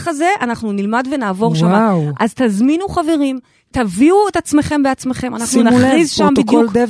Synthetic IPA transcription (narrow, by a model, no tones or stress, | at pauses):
χaze̞ʔanaχnunilmadve̞naːvo̞ʁwʃamawʔazt̪azminuχave̞ʁim | taviuetat͡sme̞χe̞mbeat͡sme̞χe̞manaχnunaχʁizʃambidjulkd̪e